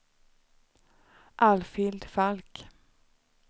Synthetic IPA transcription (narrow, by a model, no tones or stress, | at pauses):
ʔalfɪld̪falk